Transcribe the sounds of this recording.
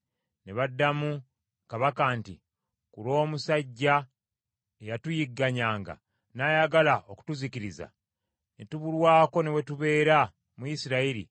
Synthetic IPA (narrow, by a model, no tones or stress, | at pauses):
ne̞βadːamu | kaβakaːntḭ | kuɾo̞ːmusaɟːa | ejatujiɡːaɲaːŋɡa̰ | najaɡalaoku̥tuziciɾiza̰ | netuβulwaːko̞ne̞we̞tuβe̞ːɾa | muisiɾaiɾḭ